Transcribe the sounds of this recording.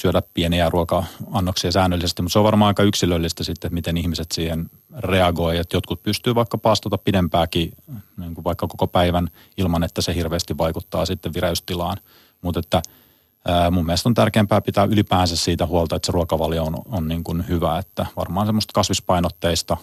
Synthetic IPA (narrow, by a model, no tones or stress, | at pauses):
syødæppieniæːruɑkɑɑnːoksiɑsæːnːølːisest̪imut̪seoʋʋɑrmɑ̃ːnɑikɑyksilølːist̪æsit̪ːet̪mit̪enihmiset̪siːhen | reɑɡoiet̪jot̪kut̪̚pyst̪yːʋɑikːɑpɑːst̪ot̪ɑppidempæːkiniːŋkuʋʋɑikːɑkokopæiʋæn | ilmɑnet̪ːæsehirʋeːst̪iʋʋɑikut̪ːɑːsit̪ːeʋʋireyst̪ilɑːn | mut̪et̪ːæː | mumːieɛlest̪ont̪ærkeːmpæːpit̪æːʔylipæːnsæssiːt̪æhuɑlˠt̪ɑet̪seruɑkɑʋɑljoononniːŋkunhyʋæet̪ːæʋɑ̰rmɑːnsemːost̪kɑsʋispɑinot̪ːeist̪ɑ